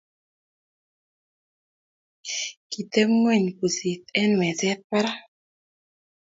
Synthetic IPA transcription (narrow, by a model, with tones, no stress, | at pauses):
ki˨t̪e˦mŋwe˦˨ɲku˨si˨t̪̚ɛ˦nwɛ˨zɛ˦t̪̚pa˦ɾa˦